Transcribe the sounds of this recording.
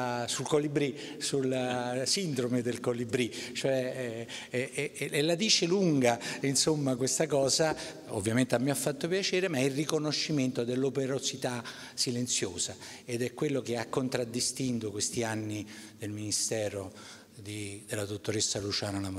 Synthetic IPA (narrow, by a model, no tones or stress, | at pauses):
sulkolibɾi | sulasind̪ɾomed̪elkolibɾit͡ʃoɛ | elad̪iːt͡ʃeluŋɡainsomːakwest̪akɔːza | o̰vːjament̪eamːiafːat̪ːopjat͡ʃeːɾemaɛilrrikonoʃːiment̪od̪elːopeɾosit̪a | silent̪sjoːsa | ed̪ɛkːwelːokeakːont̪ɾad̪ːist̪int̪okwest̪ianːid̪elminist̪ɛːɾo | d̪id̪elad̪ot̪ːoɾesːalut͡ʃaːnonam